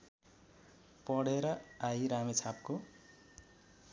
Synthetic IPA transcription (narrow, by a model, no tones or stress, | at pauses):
pʌɽeɾʌajɾamet͡sʰap̚ko